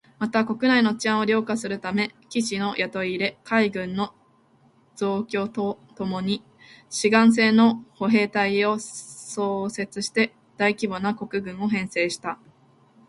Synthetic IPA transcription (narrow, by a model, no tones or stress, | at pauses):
mat̪ako̞kɯ̟naino̞t͡ɕiãɰ̃o̞ɾʲo̞ːkasɨɾɯ̟t̪ame̞kʲiɕino̞jat̪o̞iɾe̞kʰaiɡɯ̟̃nːo̞ | z̥o̞ːkʲo̞ːt̪ot̪o̞mo̞ɲ̟i | ɕiɡãɰ̃s̬e̞ːno̞ho̞ɦe̞ːt̪aio̞so̞ːse̞t͡sɨɕi̥t̪e̞ | d̪̥aikʲibo̞nako̞kɯ̟ɡɯ̟̃ɰ̃o̞ɦẽ̞ɰ̃se̞ːɕi̥t̪a